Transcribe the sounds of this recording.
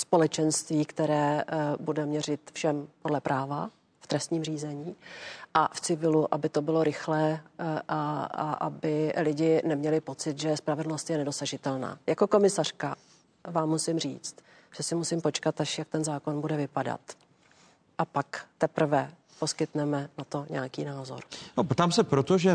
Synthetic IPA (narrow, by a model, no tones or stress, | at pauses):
spo̞lɛt͡ʃɛnst̪viːkt̪ɛɾɛːbudɛmɲɛrɪt̪fʃɛmpo̞dlɛpɾʔaːva | ft̪ɾɛst̪ɲiːmriːzɛɲiːʔaft͡sɪvɪluʔabɪt̪o̞bɪlo̞ɾɪxlɛːʔaa̰ʔa̰bɪlɪɟɪnɛmɲɛlɪpo̞t͡sɪt̪ʒɛspɾavɛdl̩no̞st̪jɛnɛdo̞saʒɪt̪ɛlna̰ːjako̞ko̞mɪsar̥ka | vaːmːusɪmr̝ḭːt͡st̪ | ʒ̥ɛsɪmusɪmpo̞t͡ʃkat̪aʃjak̚t̪ɛnzaːko̞nbudɛvɪpada̰t̪ | ʔapakt̪ɛpɾ̩vɛ | po̞skɪt̪nɛmɛnat̪o̞ɲɛakḭːnaːzo̞̰ɾnopt̪aːmsɛpɾot̪oʒɛ